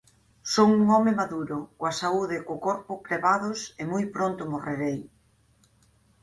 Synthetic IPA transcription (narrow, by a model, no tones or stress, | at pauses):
soŋuŋɔmɪmaðuɾʊkwasauðɪkʊkɔɾpʊkɾeβaðʊsemojpɾont̪ʊmoreɾej